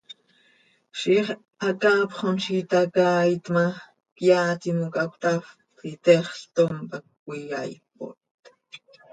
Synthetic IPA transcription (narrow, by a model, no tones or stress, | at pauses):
ʃiχ | akaːpχonʃit̪akaːit̪ma | kjaːt̪imukakʷt̪af | it̪eχɬt̪ompak̚ːʷ | ija̰jp̚o̰t̪